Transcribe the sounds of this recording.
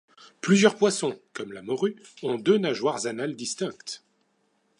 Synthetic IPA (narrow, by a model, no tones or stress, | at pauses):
plyzjœʁpwasɔ̃kɔmlamɔʁyɔ̃d̪ønaʒwaʁzanald̪ist̪ɛ̃kt̪